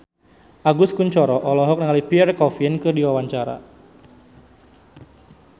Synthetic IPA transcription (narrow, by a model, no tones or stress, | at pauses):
ʔaɡʊskuɲt͡ʃɔɾɔʔɔlɔɦɔk̚nəŋalipiɛrkɔfinkɨdiwawaɲt͡ʃaɾa̰